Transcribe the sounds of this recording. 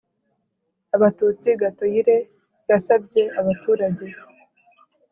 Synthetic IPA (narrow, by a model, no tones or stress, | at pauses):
aβatuːt͡siɡato̞jiɾe̞ | βasabɟe̞aβatuːɾaɟe̞